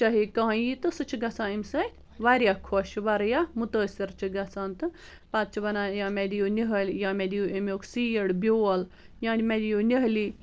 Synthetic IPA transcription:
t͡ʃɐɦikɐɦɐ̃jit̪ɨsɨt͡ʃʰiɡɐsãːimʲsɐt̪ʰʲ | ʋaɾʲjaːkʰoʃʋɐɾjaːmut̪əːsiɾt͡ʃʰiɡɐsaːnt̪ɨ | pat̪̚t͡ʃʰiʋɐnaːjãːmed̪ijoːniɦəlʲjãːmed̪ijoːʔimʲokʰsiːjɐɽbʲoːɐl | jãːnʲmed̪ijoːniɦliː

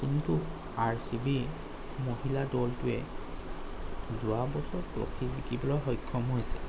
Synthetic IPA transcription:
kintu | aɹsibi | moɦiladɔltʊɛ | zʊwabɔsɔpɹo̰kʰizikibɔlɔjɦɔjkʰːɔmɦojsɛ̥

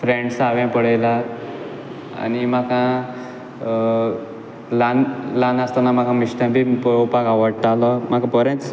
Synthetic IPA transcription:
fɾeɳɖsaʋɛ̃pəɽəjla | a̰nimakʰã | lanlanast̪anam̤akãmiɕʈãbʱipupakaʋəɽt̪alɔm̤akãpəɾẽt͡s

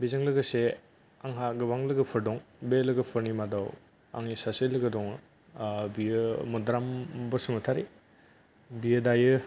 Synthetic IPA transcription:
bizɯŋlɯɡɐse | aŋɦaɡɯbaŋlɯɡɐpʰɯɾdɔŋbelɯɡɐpʰɯɾnimadaw | a̰ŋisaselɯɡɐdɔŋ | biɯmɔdɾambɐsumɐtʰaɾi | bijɯdajɯ

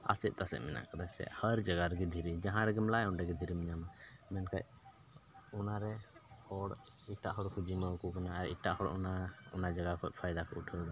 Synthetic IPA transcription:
a̰sɛt̪̚t̪asɛ̰ʔmɛna̰ʔkad̪asɛ̰ʔhəɾd͡ʒaɡaɾɡɛd̪ʱiɾid͡ʒaɦãɾɛɡɛmlajɔnɖɛɡɛd̪ʱiɾimiɲamamɛnkaʔ | ɔnaɾɛhɔɽ | iʈaʔhɔɽkʰud͡ʒiməwkukanaaɾḭʈaʔhɔɽʔɔ̰naunad͡ʒaɡakʰɔ̰t̪̚ˀpʰajd̪akʰɔuʈʰəda

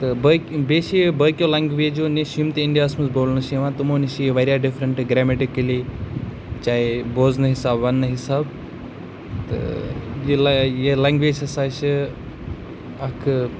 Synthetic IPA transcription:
t̪ɨbəkbeːʃijebəːkʲjoːlaŋɡʋeːd͡ʒoneʃimt̪iiɳɖijaːsmɐsboːlnɨʃiʋãːt̪ɨmoːniʃijeʋɐɾʲjaːɖifɾəɳʈɨɡɾaːmeʈikɐli | t͡ʃaːiboːznɐɦisaːbʋɐnːɐɦisaːb | t̪ɨ̰jiljelaːŋɡʋeːd͡ʒɐsaːʃi | ɐkʰ

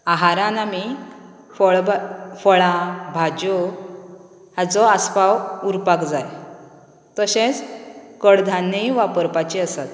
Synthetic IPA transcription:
aɦaɾãnami | fɔɭfəɭãbʱad͡ʑo | ɦat͡sɔaspawuɾpakd͡zaj | t̪əɕẽt͡skəɽd̪ʱanːəiʋapəɾpat͡ɕiəsat̪

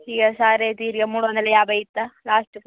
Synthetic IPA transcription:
ijɐsaːɾeːt̪iːɾɡɐmuːɽʋɐnd̪ɐlːɐjaːbɐjit̪ːɐlaːsʈ

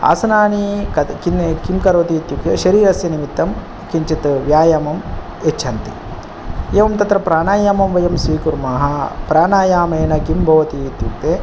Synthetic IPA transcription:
a̰ːsɐnaːnikɐkinkimkɐɾoːt̪iːt̪jukt̪eʃɐɾiːɾɐsjɐnimit̪ːɐm | kiɲt͡ʃit̪ʋjaːjamɐm | et͡ʃʰɐnt̪i | eːʋɐmt̪ɐt̪ɾɐpɾaːɳaːjaːmɐmʋɐjɐmsʋiːkuɾmaːɦɐpɾaːnaːjaːmɐːnɐkimbʱɐʋɐt̪it̪juk̚t̪eː

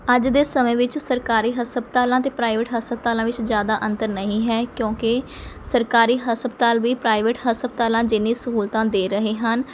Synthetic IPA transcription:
əd͡ʒd̪eːsəmẽːʋɪt͡ʃsəɾkaːɾiːɦəsəbt̪aːlãːt̪eːpɾaːiʋɪʈɦəsəb̚t̪aːlãːʋɪt͡ʃzjaːd̪aːʔə̃nt̪əɾnəɦĩːɦɛːkjõːkɪ | səɾkaːɾiːɦəsəbt̪aːlʋiːpɾaːiʋɪʈhəsbt̪aːlãːd͡ʒɪnːĩːsəɦuːlt̪ãːd̪eːɾəɦeːɦən

